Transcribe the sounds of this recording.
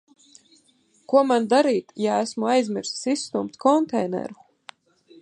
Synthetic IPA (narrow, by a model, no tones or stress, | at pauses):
kuɔmand̪aɾiːt̪jaæsmuajzmiɾssisːt̪umpt̪kɔnt̪ɛjnɛ̰ɾu